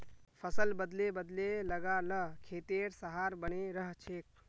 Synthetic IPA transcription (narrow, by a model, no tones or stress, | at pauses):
pʰəsəlbəd̪lebəd̪leləɡaləkʰeːt̪eːɾsəɦaɾbəneɾəɦt͡ʃʰeːk